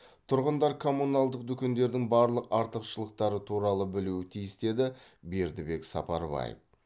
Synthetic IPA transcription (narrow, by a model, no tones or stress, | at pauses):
t̪ʰʊɾʁənd̪ɑɾkʰo̞munɑlˠd̪əq̚d̪ʏkʲe̞nd̪e̞ɾd̪ɪŋbɑɾlˠəqɑɾt̪əqʃəlˠəq̚t̪ɑɾət̪ʰuɾɑlˠəbɪluɪt̪ʰijɪst̪e̞d̪ɪbe̞ɾd̪ɪbe̞ksɑpɑɾbɑ̰jḛf